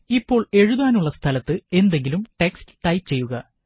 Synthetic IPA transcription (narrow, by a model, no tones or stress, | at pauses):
ipːo̞ːɭe̞ɻuðaːnuɭːɐst̪ʰɐlɐt̪ːɨe̞nd̪e̞ŋɡilumʈe̞kstɨ̥ʈɐjpːɨt͡ɕe̞jːuɣɐ